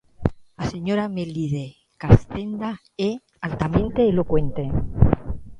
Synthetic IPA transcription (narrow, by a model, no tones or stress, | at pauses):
aseɲoɾameliðe | kast̪end̪a | e | alt̪amẽnt̪eːlokwe̞nt̪e